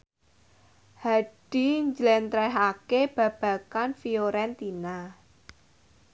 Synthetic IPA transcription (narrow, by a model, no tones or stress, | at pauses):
haɖ̥i̤ɲd͡ʒlɛnt̪ɾɛɦakeb̥ä̤b̥ä̤kanfioɾɛnt̪ina